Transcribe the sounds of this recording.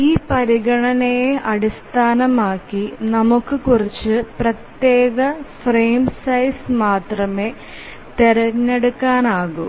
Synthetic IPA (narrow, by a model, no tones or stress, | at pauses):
iːpɐɾiɡɐɳɐnejeʔɐɽist̪ʰaːnɐmaːkːinɐmukːɨkurit͡ɕːɨprɐt̪je̞ːɣɐfreːmsɐjsmaːt̪rɐme̞ | t̪eɾɐɲːeɽukːaːnaːɣu